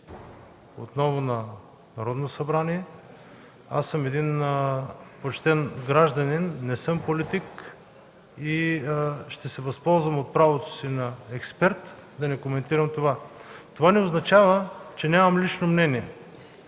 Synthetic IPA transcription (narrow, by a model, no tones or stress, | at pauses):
o̰t̪nɔvonɐ | nɐɾɔd̪nosɐbɾaniɛ | a̰sːɤmɛd̪in | pot͡ʃt̪ɛnɡɾaʒd̪ɐninːɛsɤmpolit̪ik | i | ʃt̪ɛsɛvɐspɔlˠzvɐmot̪̚pɾavot̪o̥sinɐɛkspɛɾt̪d̪ɐnɛkomɛnt̪iɾɐmt̪ovat̪ovanɛoznɐt͡ʃavət͡ʃɛnʲamɐmlit͡ʃnomnɛniɛ